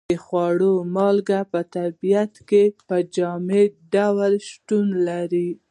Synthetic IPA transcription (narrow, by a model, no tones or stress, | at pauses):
əxwɑɽomɑlɡapət̪aɾbijat̪kepəd͡ʒɑmeɖawlʃʈunlaɾi